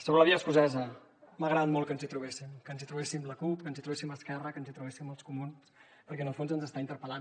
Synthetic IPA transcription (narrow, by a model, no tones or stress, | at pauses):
soβɾələβiəskuzɛzə | məɣɾəat̪mɔlˠkənzit̪ɾuβesimkənzit̪ɾuβ̞esimbləkupkənzit̪ɾuβesiməskɛrəkənzit̪ɾuβesimolˠskumuns | pəɾkɛənəlˠfonzənzəst̪aint̪əɾpəlan